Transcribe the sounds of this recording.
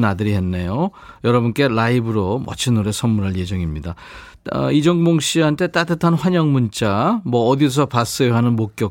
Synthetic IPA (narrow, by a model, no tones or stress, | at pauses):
nadɯɾiɦe̞nːejo | jʌɾʌbunk͈e̞laibɯɾoma̰t͡ɕʰinoɾe̞sʰʌnmuɾɦaɭje̞d͡ʑʌŋimɲida | id͡ʑʌŋɡmoŋɕ͈ʰiɦantʰe̞t͈atʰɯtʰanɸwaɲʌŋmunt͡ɕ͈amʌːdis̬ʰʌpas͈ɯoɦanɯnmok͈̚jʌ